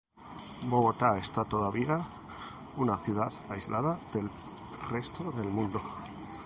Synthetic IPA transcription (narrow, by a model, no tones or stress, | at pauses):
bo̞ɣ̞o̞t̪ae̞st̪at̪o̞ðaβia | unaθjuð̞aðajzlʔað̞aðe̞l | re̞st̪oðe̞lmũnd̪o